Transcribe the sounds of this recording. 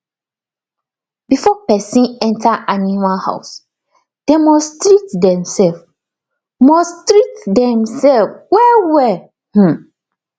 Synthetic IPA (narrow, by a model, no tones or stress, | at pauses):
bifɔpɛsĩnɛ̃ntʰaʔanimalha̰ʊs | d̥emɔstɾitdɛ̃msɛlf | mɔstɾitdɛ̃msɛlfwɛwɛ | h̩